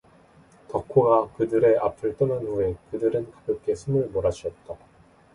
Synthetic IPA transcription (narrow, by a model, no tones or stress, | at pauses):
tʌkʰuɡakɯdɯɾe̞ʔapʰɯɭt͈ɯnanɸue̞kɯdɯɾɯnkḁpjɯp̚k͈e̞sʰumɯɭmoɾad͡ʑʰiʌt̚t͈a